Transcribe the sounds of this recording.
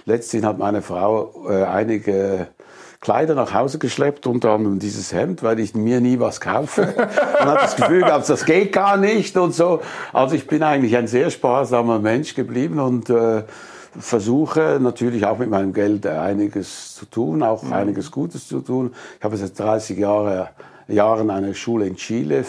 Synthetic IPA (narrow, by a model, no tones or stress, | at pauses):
lɛt͡stlɪçhatmaɪnəfʁaʊɛːʔa̰ɪnɪɡə | kʰl̥a̰ɪdɐnaχhaʊzəɡəʃlɛptʊntɐʁandʁəmdiːzəshɛmtvaɪlɪçmiːɐniːvaskʰaʊfəʊnhabdasɡəfyːlɡaːpsd̥asɡ̥eːt̚ɡ̥aːɐnɪçtʊntz̥oːʔa̰lzoɪçb̥ɪnaɪɡən̩tlɪçaɪnzeːɐʃpaːzamɐmɛnʃɡ̥əbliːbən̩ʊntɛː | fɛɐzuːxənatʰyːɐlɪçaʊxmɪt̚maɪnəmɡɛlta̰ɪnɪɡəst͡sutʰuːnaʊxʔa̰ɪnɪɡəsɡ̥uːtəst͡sutʰuːnɪçhaːbəsaɪtd̥ʁaɪsɪçaə | jaːʁənaɪnəʃuːləɪnt͡ʃiːlə